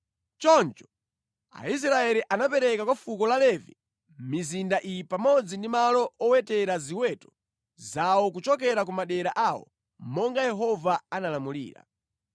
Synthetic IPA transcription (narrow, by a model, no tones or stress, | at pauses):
t͡ʃɔnt͡ʃɔ̥ | a̰is̬ɾaɛɾiʔanapɛɾɛkakwafukɔlalɛvi | mizindaʔipamɔd͡zindimalɔʔɔwɛtɛɾaziwɛtɔ̥ | zawɔk̬ut͡ʃɔkɛɾak̬umaɗɛɾaʔawɔ̰ | mmɔŋɡajɛɦɔvaanalamulḭːɾa̰